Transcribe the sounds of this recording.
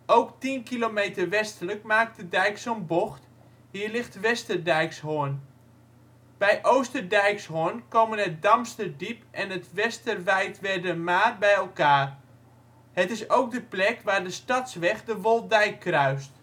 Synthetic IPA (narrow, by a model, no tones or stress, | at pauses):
owktinkilomejtərʋɛstələkmaːk̚tədɛjksonboxt | ɦiːrlɪxtʋɛstərdɛjkshʊən | b̥ɛjʔowstərdɛjkshoənkowmənət̚dɑmstərdipʔɛnətʋɛstərʋɛjtʋɛrdəmaːrbɛjɛlˠkaːr | hətɪsowk̚dəplɛkʋaːrdəstɑtsʋɛχdəʋolˠdɛjkʰːrœɥst